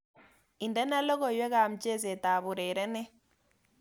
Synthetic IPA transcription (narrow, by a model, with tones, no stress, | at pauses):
i˨ndɛ˦na˦lɔ˦ɣɔ˨jwɛ˦ɣa˨m̩˨t͡ʃe˦˨ze˨ta˨βu˨ɾe˨ɾɛ˦nɛ˦